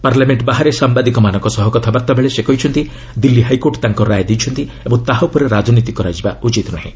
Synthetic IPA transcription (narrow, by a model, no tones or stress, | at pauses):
paɾlameɳʈbaɦaɾesambad̪ikɔmanɔŋkɔsɔɦɔkɔt̪ʰabaɾt̪abeɭesekɔɦit͡ʃʰɔnt̪i | d̪ilːiɦajkoɾʈt̪aŋkɔɾajd̪ijt͡ʃʰɔnt̪iebɔŋt̪aɦawpɔɾeɾad͡ʒɔnit̪ikɔɾad͡ʒiba̰ut͡ʃit̪ɔnaɦḛ̃